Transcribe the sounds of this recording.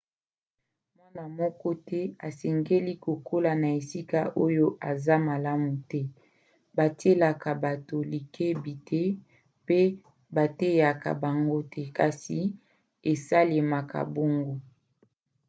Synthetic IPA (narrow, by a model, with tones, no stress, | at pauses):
mwa˦na˨mɔ˦kɔ˦tʰɛ˦a˨sɛ˨ŋɡe˦li˦ko˨kʰo˦la˨na˨e˨si˦ka˦ʔo˦jo˦ʔa˨za˦ma˨la˦mu˨tɛ˦ | ba˨ti˦e˦la˨ka˨ba˨to˨li˨kʰe˦bi˨tʰe˦ | pe˦ | ba˨te˦ja˨ka̰˨ba˨ŋɡo˦tʰɛ˦ka˨si˨ | e˨sa˦le˨ma˨ka̰˨bo˦ŋɡo˦